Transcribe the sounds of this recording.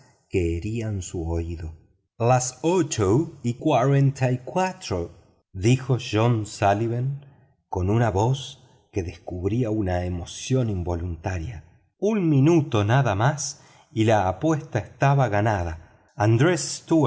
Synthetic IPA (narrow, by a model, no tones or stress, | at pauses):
keːɾiansuoiðo | lasot͡ʃowikwaɾent̪ʰajkwat̪ɾo | ðixo̞ʃonsaliβen | ko̞nunaβo̞s | ke̞ðeskuβɾiaunaemo̞sjo̞nimbo̞lunt̪aɾja | unmĩnut̪o̞naðamas | ilaːpwest̪aest̪aβaɣanaða | and̪ɾesst̪u